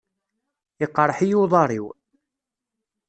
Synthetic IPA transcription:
əqːɾˤħijuðˤɑɾˤiw

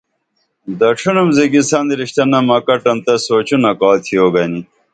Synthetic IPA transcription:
d̪ɐʈ͡ʂʰunumziɡisɐnd̪iɾiɕt̪ɐnɐmɐkɐʈɐnt̪ɐsoːt͡ɕunɐkɑːt̪ʰioːɡɐni

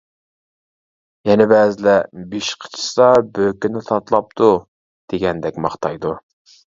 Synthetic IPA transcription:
jɛnɪbɛːzɪlɛbiʃqʰə̥t͡ʃʰi̥sɑbøkʲinɪt̪ʰɑt̪lˠɑp̚t̪ʰu | d̪̥eɡʲɛnd̪ɛkʲmɑχt̪ʰɑjd̪u

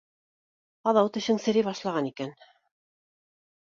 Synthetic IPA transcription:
ɑðɑwt̪ɵ̆ɕɘŋsɘ̆ɾɘβɑʃlˠɑʁɑnikæn

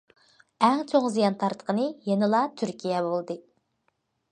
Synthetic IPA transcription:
ɛŋt͡ʃʰoŋzijɑnt̪ʰɑɾt̪ʰə̥qʰənɨjenɨlˠɑt̪ʰyɾkʲʰijɛbolˠd̪ɨ

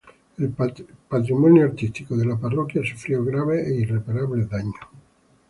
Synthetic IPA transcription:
elpat̪ɾimonjoaɾt̪ist̪ikoðelaparokjasu̥fɾjoɣɾaβeeirepaɾaβleðaɲo

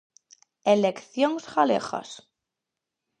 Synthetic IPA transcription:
elekθjoŋsɣalḛχa̰s

